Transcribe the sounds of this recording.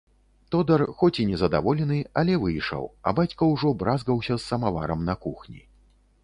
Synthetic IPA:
t̪ɔd̪ɐrxɔt͡sʲinʲɛzɐd̪a̰vɔlʲɛnɨɐlʲɛvɨjʂɐ̰wɐ̰bat͡sʲkɐwʐɔbɾazɣɐwsʲɐsːɐmava̰ɾɐmnɐkuxnʲḭ

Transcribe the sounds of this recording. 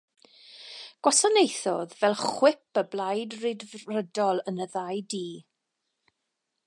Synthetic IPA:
ɡ̥wɔsɔnejθɔðvɛlˠχwɪpəblˠajdrɪdvrədɔlˠənəðajdiː

